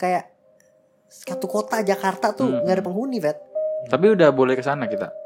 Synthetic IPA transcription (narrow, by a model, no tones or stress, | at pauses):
kajaʔ | skat̪ukot̪ad͡ʒakart̪at̪uŋɡaɾipəŋɦunivɛt̪̚t̪apiudahbolɛhkəsanakit̪a̰